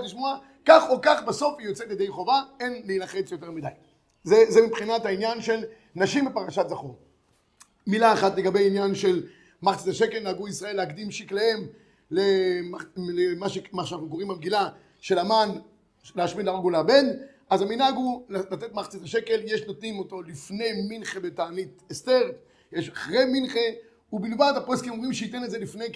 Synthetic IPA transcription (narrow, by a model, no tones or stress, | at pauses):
tliʃmoa | kaχokaχbeso̞fijot͡setjed̪ejχo̞vae̞nliinaχe̞t͡sjo̞t̪̬e̞ʁmid̪aj | zezemipχinat̪ainjanʃe̞l | naʃimbepaʁaʃatzaχon | milaːχat̪leɡabe̞jinjanʃe̞l | maχt͡sitaʃeke̞lnaaɡuisʁae̞lːeakd̪imʃiklee̞m | lemalemaʃemaʃanaχnuko̞ʁimbamɡila | ʃe̞laman | leaʃmitleaɡuleabe̞n | azaminaɡulalat̪etmaχt͡sit̪aʃe̞ke̞ljeʃnot̪nimo̞to̞lifne̞jminχebetaːnit̪est̪e̞ʁ | jeʃaχʁe̞jminχe | ubilvadhaposkimomimʃeit̪enetzelifne̞j